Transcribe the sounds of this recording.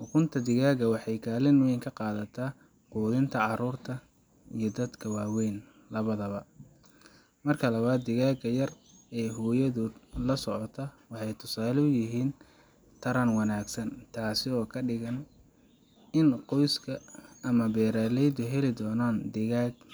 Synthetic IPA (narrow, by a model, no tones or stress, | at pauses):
ʊkʰʊnt̪ʰɐd̪ɪɣaːɡɐwɑħɑjkʰaːlɪnwɛjŋkʰɐqɑːðɐt̪ʰaː | quːðɪnt̪ʰɐʕɑɾuːrt̪ʰɐ | ijɞd̪ɐd̪kʰɐwɑːwɛjn | lɐβɐðɐβɐ | mɐrkʰɐlɐβaːd̪ːɪɣaːɡɐjɐr | ɛːɦuːjɐðʊːd̪lɐsɔʕɔt̪ʰɐwɑħɑjt̪ʰʊsaːlʊjɪɦiːn | t̪ʰɐɾɐnwɑnaːɡsɐnt̪ʰaːsɪɔːkʰɐɖɪɣɐn | ɪnqɔjskʰɐːmɐbɛːɾaːlɛjd̪ʊɦɛlɪd̪ɔːnaːnd̪ɪɣaːɡ